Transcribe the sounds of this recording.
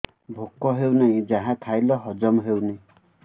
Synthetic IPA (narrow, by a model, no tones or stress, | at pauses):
bʱokːɔɦewnaĩd͡ʒaɦãt̪ʰajlɔɦɔd͡ʒɔmɦewnaĩ